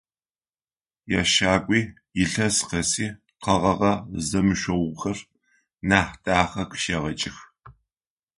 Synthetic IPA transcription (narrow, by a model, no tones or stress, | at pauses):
ja̰ːʃaːkʷʼiː | jɪɬɐsqɐsiː | qʰɐʁɐʁɐzɐmɨʃʷɔwxɐr | naːħtʼaːχɐkʰʃɐʁɐt͡ʃʼɪx